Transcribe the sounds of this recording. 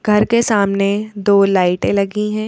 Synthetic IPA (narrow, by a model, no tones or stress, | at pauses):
ɡʱɐɾkesaːmned̪oːlaːɪʈẽlɐɡiɦɛ̃ː